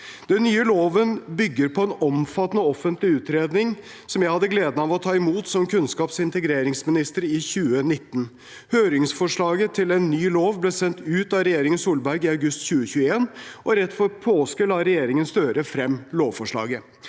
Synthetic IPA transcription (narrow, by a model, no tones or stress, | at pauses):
d̪̥ɛnːyːəloːʋənbʏɡːəɾpʰɔɛnɔmfɑt̪ːnəɔfːənt̪lɪʉːt̪ɾeːd̪nɪŋ | sɔmjæɪhɑd̪ːəɡleːd̪nəɑːʋɔt̪ʰɑːɪmuːt̪sɔmkʰʉnskɑːpsɪnt̪əɡɾeːɾɪŋsmɪnɪst̪əɾɪçʉːənɪt̪ːn̩ | høːɾɪŋsfɔʂɭɑːɡət̪ʰɪlɛnːyːloːʋblɛːsɛnt̪ʉːt̪ɑɾɛjeːɾɪŋənsuːlbæɾɡɪɑʉɡʉst̪çʉːəçʉːəeːnʔɔɾɛt̪ːfɔɾpʰoːskəlɑɾɛjeːɾɪŋənst̪øːɾəfɾɛmloːʋfɔʂɭɑ̰ːɡə